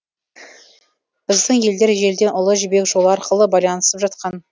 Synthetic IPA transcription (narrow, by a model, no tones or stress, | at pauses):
b̥ɪzd̪ɪɴje̞ld̪e̞ɾʒe̞ld̪e̞nʔʊlˠəʒʏbe̞kʒo̞lˠəɑɾqəlˠəbɑjlˠɑnəsəpʒɑt̪qɑn